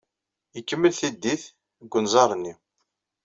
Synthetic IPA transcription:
jəkːəmːəlθid̪ːiθ | əɡʷːənzˤɑɾˤənːi

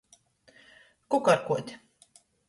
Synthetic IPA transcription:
kukaɾkuɔt̪ʲ

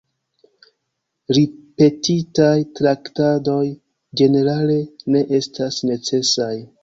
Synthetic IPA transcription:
ɾipe̞titajtɾaktado̞j | d͡ʒe̞ne̞ɾale̞ne̞ʔe̞stasne̞t͡se̞saj

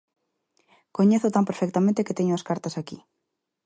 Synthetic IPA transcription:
koɲeθʊt̪ampeɾfek̚t̪amẽnt̪eket̪eɲʊɐskaɾt̪ɐsaki

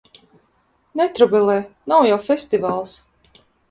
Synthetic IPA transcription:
nɛt̪ɾubɛlˠɛːnawjawfʲɛsʲt̪ʲivaːlˠs

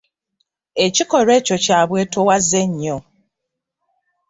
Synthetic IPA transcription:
et͡ʃikɔɾet͡ʃot͡ʃaβwetowazeɲːo

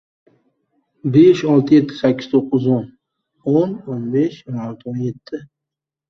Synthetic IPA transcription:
beʃɒlˠt̪ʰɪje̞t̪ʰːɪ̥sakʰʲːɪ̥z̥t̪ʰoqːɨzon | ononbeʃonalˠt̪ʰɪonje̞t̪ʰːɪ

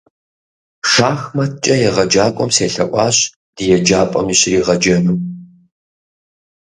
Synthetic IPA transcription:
ʂaːxmɐt̚ʰt͡ʃʼɐjɛʁɐd͡ʒaːkʷʼɔmseːɬɐʔʷʼɑːɕ | d̥ɨjɛd͡ʒaːpʼɐ̰miːɕriːʁɐd͡ʒɐnuː

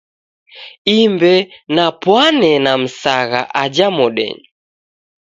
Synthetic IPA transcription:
imbɛnapwanɛnam̩saɣa̰ʔad͡ʒamɔɗɛ̰ɲu

